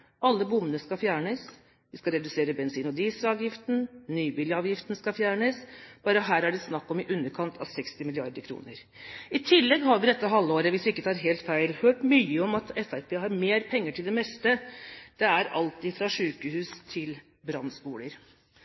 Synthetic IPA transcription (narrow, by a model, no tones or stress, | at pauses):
ɑlːəbʊmənəskɑfjæːɳəs | ʋɪskɑɾɛd̪ʉseːɾəbɛnsiːnɔd̪iːsɾɑːʋjɪft̪n̩nyːbɪljəɑːʋjɪft̪ən̩skɑfjæːɳəsb̥ɑːɾəɦæːɾæɖɪsnɑkːɔmɪʔʉnːəɾkʰɑnt̪ʰɑ̰ʋsɛkst̪ɪmɪlɪɑɾd̪əɾkʰɾṵːnəɾ | ɪt̪ʰɪlːɛɡɦɑɾʋɪd̪ɛt̪ːəɦɑlːəoːɾəʋɪsʋɪɪkːət̪ʰɑːɾɦeːlt̪fæɪlhøːʈmyːəɔmɑt̪ɛfæɾpʰeːɦɑɾmeːɾpʰɛŋːəʈʰɪld̪ɛmɛst̪əd̪̥ɛæɾɑ̰lt̪ɪfɾɑʂʉːkəhʉːst̪ʰɪl | bɾɑnspuːləɾ